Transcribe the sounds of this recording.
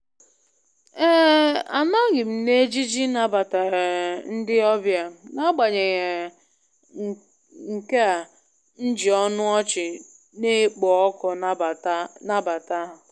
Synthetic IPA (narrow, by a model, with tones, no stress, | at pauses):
e˦a˨na˦ɡɪ˨m̩˨ne˦d͡ʒi˦d͡ʒi˦na˨ba˨ta˨n̩˦dɪ˦ɔ˦bja˨na˦ɡ͡ba˨ɲe˨ŋe˨ | ŋ̩˨ke˦a˨ | n̩˦d͡ʒi˨ɔ˦nʊ˦ɔ˦t͡ʃɪ˨ | ne˦k͡pɔ˨ɔ˦kɔ˨˦˨na˦ba˨ta˦ɦ